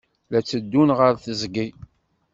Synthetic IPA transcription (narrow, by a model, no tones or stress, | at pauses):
læt͡sːəd̪ːunʁəɾθəzɡi